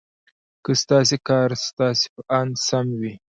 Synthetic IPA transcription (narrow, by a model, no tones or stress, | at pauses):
kəst̪ɑs̬ekɑɾst̪ɑse̥pəʔɑnsamwi